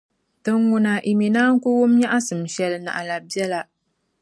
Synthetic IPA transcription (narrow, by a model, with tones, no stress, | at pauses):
tɨ˦ŋːʊ˨na˨ʔi˨mi˨naː˦ŋ̩˦ku˦wʊ˦mɲa˦ʔa˦sɨ˨m˨ʃɛ˨lɨ˦na̰˨ʔa˨la˨bjɛ˦la˦